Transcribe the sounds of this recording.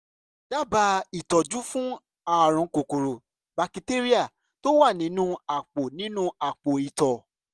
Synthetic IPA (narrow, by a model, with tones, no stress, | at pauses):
d̥a˦ba˧i˨tɔ˨d͡ʒu˦fũ˦ | a˨ɾ̃ũ˧˨ko˨ko˨ɾo˨ | ba˧ki˧te˦ɾi˦a˦˨ | to˦wa˦˨nĩ˨˦nũ˦a˨k͡po˨nĩ˦nũ˦a˨k͡po˨i˨tɔ˨